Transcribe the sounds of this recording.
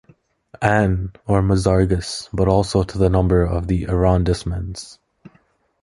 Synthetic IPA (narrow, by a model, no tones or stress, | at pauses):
æ̃nə˞məzɑɹɡɨsb̥ʌɾɔlˠsoʊɾʰəðənʌ̃mbə˞ʌvðiʔɪɹɑ̃ndɨsmɨ̃nz̥